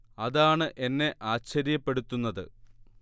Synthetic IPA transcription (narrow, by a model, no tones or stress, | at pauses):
ɐðaːɳɨʔe̞nːe̞ʔaːɕɐɾjɐpːe̞ɽut̪ːunːɐðɨ